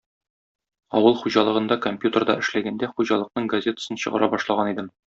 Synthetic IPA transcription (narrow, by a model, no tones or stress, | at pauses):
ɒwɤlˠχuʑɑlˠɤ̆ʁɤ̆nd̪ɑkomʲpʲjut̪ərd̪ɑ̰ɘ̆ʃlæɡænd̪æχuʑɑlˠɤ̆q̚nɤɴɡɐzʲe̞t̪ə̥sɤnɕɤ̆ʁɤ̰̆ɾʔɑbɒʃlˠɑʁɑnid̪ɘm